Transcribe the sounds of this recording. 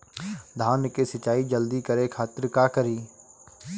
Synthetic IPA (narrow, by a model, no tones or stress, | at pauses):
d̪ʱaːnkesɐt͡ʃaːid͡ʒəld̪ikəɾekʰaːt̪ɪɾkaːkəɾiː